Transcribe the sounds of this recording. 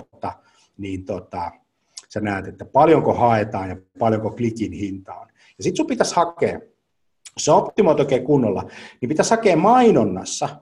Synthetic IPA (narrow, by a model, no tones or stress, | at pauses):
t̪ːɑ | niːnt̪ot̪ɑ | senæˑːt̪et̪ːæpɑljoŋkohɑet̪ɑːnjɑpɑljoŋkoklikinhint̪ɑo̰n | jɑsit̪supit̪æshɑkḛː | seopt̪imoit̪oˑikeːkunːolːɑ̰nipit̪æshɑkeːmmɑinonːɑ̰sːɑ